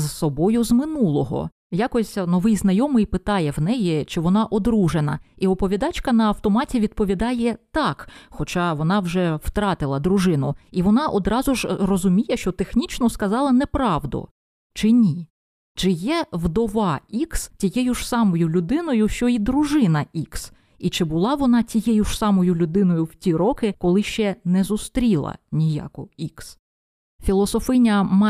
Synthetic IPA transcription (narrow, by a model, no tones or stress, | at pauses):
zsɔbɔjʊzmɪnulˠɔɦɔ̰ | jɑkɔsʲnɔʋɪjznɐjɔmɪjpɪt̪ɑjɛwnɛjit͡ʃɪʋɔnɑʔɔd̪ɾuʒenɐ̰iɔpɔʋʲid̪ɑt͡ʃkɐnɐɐwt̪ɔmɑtʲiʋʲid̪̚pɔʋʲid̪ɑjɛt̪ɑkxɔt͡ʃɑʋɔn̪ɑwʒɛwt̪ɾɑt̪ɪlˠɐd̪ɾʊʒɪnʊ̰iʋɔnɑʔɔd̪ɾɑzʊʒrɔzʊmʲijɛʃt͡ʃɔt̪exnʲit͡ʃnɔskɐzɑlˠɐnɛpɾɑʋd̪ʊ̰ | t͡ʃɪnʲi | t͡ʃɪjɛʋd̪ɔʋɑikstʲijɛjʊʒ̥sɑmɔjʊlʲʊd̪ɪnɔjʊʃt͡ʃɔid̪ɾʊʒɪn̪ɐiks | it͡ʃɪbʊlˠɑʋɔnɑtʲijɛjʊʒ̥sɑmɔjʊlʲʊd̪ɪnɔjʊwtʲiɾɔkɪkɔlˠɪʃt͡ʃɛnɛzʊst̪ɾʲilˠɐ̰nʲijɑ̰kʊiks | fʲilˠɔsɔfɪnʲɐmɑ